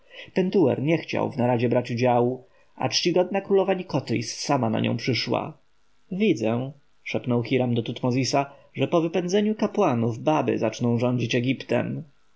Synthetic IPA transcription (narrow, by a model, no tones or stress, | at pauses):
pɛnt̪uwɛ̰ɾɲɛxt͡ɕa̰wvnaɾaʑɛbɾat͡ɕud͡ʑawu | a̰t͡ʂt͡ɕiɡɔd̪̚nakɾulɔvaɲikɔt̪ɾʲḭsːamana̰ɲʔɔ̰̃w̃pʂɘʂwa̰ | vʲid̪zɛ̃ | ʂɛpnɔwxʲiɾamd̪ɔt̪ut̪mɔzʲisaʐɛpɔvɘpɛnd̪zɛɲukapwanuvbabɘ̰zat͡ʂnɔ̃w̃ʐɔɲd͡ʑit͡ɕɛɡʲipt̪ɛ̰m